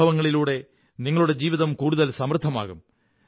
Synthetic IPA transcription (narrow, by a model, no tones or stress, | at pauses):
ɐʋɐŋːɐɭiluːɽe̞ | niŋːɐɭuɽe̞d͡ʑiːʋiðɐmkuːɽuðɐlsɐmrɨt̪ʰːɐma̰ːɣum